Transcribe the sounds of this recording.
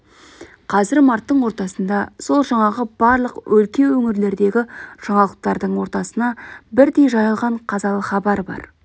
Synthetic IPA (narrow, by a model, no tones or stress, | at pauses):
qʰɑzɪɾmɑɾt̪ːəɴwo̞ɾt̪ɑsənd̪ɑso̞lˠʒɑɴɑʁəb̥ɑɾlˠəqwʔɵlkʲe̞wɵŋɪɾle̞ɾd̪e̞ɡʲɪʒ̥ɑɴɑlˠəq̚t̪ɑɾd̪əɴwo̞ɾt̪ɑsənɑbɪɾd̪e̞jʒɑjəlˠʁɑɴqʰɑzɑlˠəχɑbɑɾbɑ̰ɾ